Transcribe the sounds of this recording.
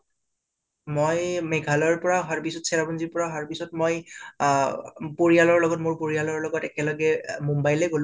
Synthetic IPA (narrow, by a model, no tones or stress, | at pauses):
mojmɛɡʱalɔɹpɔɹaɦaɹpisɔtsɛɹabɔnziɹpɔɹaɦaɹpisɔtmoj | poɹialɔɹlɔɡɔtmʊɹpoɹijalɔɹlɔɡɔtɛkɛlɔɡɛmumbajlɛɡolʊ̃